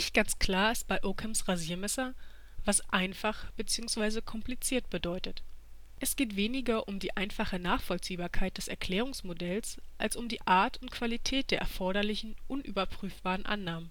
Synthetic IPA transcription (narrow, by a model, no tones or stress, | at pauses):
nɪçt̚ɡ̥ant͡skl̥aːɐɪst̚b̥aɪʔoːkʰɛmsʁaziːɐmɛsɐ | vasʔaɪnfaχb̥ət͡siːʊŋsv̥aɪzəkʰɔmplit͡siːɐt̚b̥ədɔʏtət | ʔɛsɡ̥eːtv̥eːnɪɡɐʔʊmdiːʔaɪnfaχənaːχfɔlt͡siːbaːɐkʰaɪt̚d̥ɛsɛ̰ɐkl̥ɛːʁ̞ʊŋsmodɛlsʔalsʊmdiːʔaːɐtʊntkv̥alitʰɛːt̚d̥eːɐʔɛɐfɔɐɾɐlɪçn̩ʔʊnʔy̰ːbɐpʁ̥yːfb̥aːʁənʔa̰nːaːmən